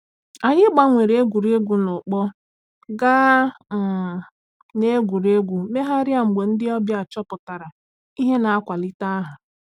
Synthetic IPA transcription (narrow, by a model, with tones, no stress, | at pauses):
a˨ɲɪ˦ɡ͡ba˦ŋʷe˨ɾe˦ɡʷu˨ɾe˦ɡʷu˨nʊ˨k͡pɔ˦ | ɡaː˦˨ | ne˦ɡʷu˨ɾe˦ɡʷu˨me˦ɦa˦ɾja˦ŋ͡m̩˨ɡ͡be˨n̩˦dɪ˦ɔ˦bja˨t͡ʃɔ˦pʊ˨ta˨ɾa˨ | i˦ɦe˦na˨a˦kʷa˨lɪ˦ta˦ɦa˨